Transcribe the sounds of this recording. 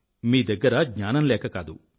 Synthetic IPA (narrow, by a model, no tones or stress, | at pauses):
miːd̪ɐɡːɐɾɐɡɲaːnɐmlɛːkɐkaːd̪ṵ